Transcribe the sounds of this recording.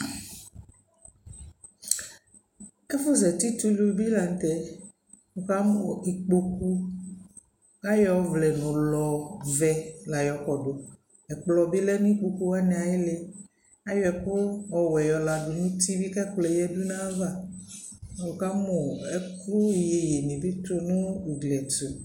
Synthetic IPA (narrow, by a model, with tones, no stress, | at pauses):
ɛ˦fo˦zɛ˨t̪i˦t̪u˦lu˨bi˦la˨n̩˨t̪ɛ˨ | o˨ka˦mo˨i˨k͡po˦ku˦ | a˦jɔ˦vlɛ˨nõ˨lɔ˨vɛ˨la˨jɔ˨kɔ˨ɖo˨ | ɛ˨k͡plɔ˨bi˦lɛ˦nũ˦i˦k͡po˦ku˦wa˦nɛ˨a˨je˦le˦ | a˦jɔ˦ɛ˨kʊ˦ɔ˨wɛ˨jɔ˨la˨dʊ˨nũ˦t̪i˦bi˦kɛ˦klɛ˨jɛ˦du˦nã˦va˦˨ | o˨ka˦mɔ˨ɛ˦kɾu˦˨je˨je˨nĩ˨bi˦t̪o˦nũ˦i˨ɡlɛ˨tu˨